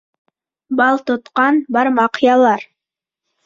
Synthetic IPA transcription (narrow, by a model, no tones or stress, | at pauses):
bɑlˠt̪ot̪qɑnbɑɾmɑqjɑlˠɑɾ